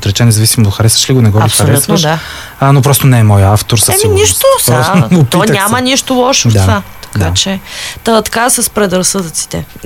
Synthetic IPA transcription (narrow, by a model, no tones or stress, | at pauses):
t̪ɾɛt͡ʃɛnɛzɐvisimod̪t̪xɐɾɛst̪və̥ʃliɡonɛɡɔɐɾisxɐɾɛut̪əʃa | ənopɾɔst̪onɛɛmɔjəaft̪oɾsɛminiʃt̪osaop̪iɔɲəkʲamɐniʃt̪olˠɔʃot̪avat̪ɐ̥kd̪at͡ʃɛt̪ət̪ɐ̥kasɐspɾɛd̪ɾɐsɤd̪ət̪si̥t̪ɛ̰